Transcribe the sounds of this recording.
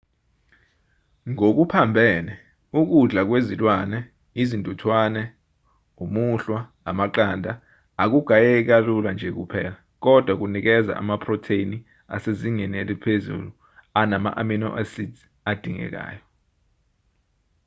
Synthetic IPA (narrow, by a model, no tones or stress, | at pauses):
ŋok̬upʰambʱɛːnɛ | uk̬uɮak̬wezilwanɛ | izindʱʼutʰwanɛ | umuɬwa | a̰maǃaːndʱaː | k̬uɡ̥ʱajɛk̬aluland͡ʒʱɛk̬upʰɛːla | k̬ɔd̥ʱwak̬unik̬ɛza̰ʔa̰mapʰrɔtʰeini | a̰seziŋɛnɛlipʰezṵlu | anama̰ʔamino̰ʔasit | ad̥ʱiŋɛ̰k̬a̰ːjɔ